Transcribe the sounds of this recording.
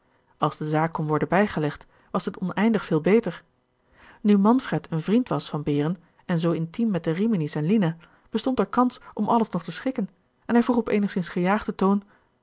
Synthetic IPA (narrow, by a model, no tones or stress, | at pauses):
ɑlˠzdəzaːkːɔnʋɔɹdənbɛjχəlɛχt | ʋɑsətɔnɛjndəχfɪːlˠbejtəɹ | nymɑnfrɛtənvrintʋɑsfɑnbɪːrən | ɛnzowɪntimːɛt̚dəriminisɛnlina | b̥əstɔntɛɹkɑnsʔɔmʔɑləsnɔχtəsχɪkən | ɛnɦɛjvuːχɔpejnəχsɪnsχəjaːχdətown